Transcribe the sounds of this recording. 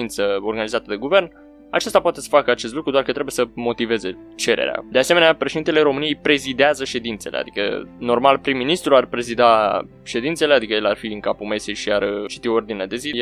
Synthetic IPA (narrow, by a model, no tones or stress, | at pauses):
int̪səo̞rɡanizat̪əd̪e̞ɡuve̞rn | a̰t͡ʃest̪apoat̪e̞sə̥fakəat͡ʃest̪lukɾud̪oarkət̪ɾebjesəmo̞t̪ive̞ze̞ | t͡ʃe̞ɾḛɾea̰d̪ease̞me̞napɾeʃed̪int̪ele̞ɾo̞mɨnijejpɾe̞zid̪eazəʃe̞d̪int̪se̞lḛa̰d̪ikə̰no̞rmalpɾimːinist̪ɾuarpɾe̞zid̪a | ʃe̞d̪int̪se̞le̞ad̪ikəjelarfiɨŋkapume̞siʃiart͡ʃi̥t̪ioord̪inead̪e̞zi